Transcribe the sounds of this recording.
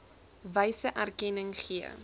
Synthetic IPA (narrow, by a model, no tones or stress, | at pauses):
vəjsəʔærkɛnəŋχiə̰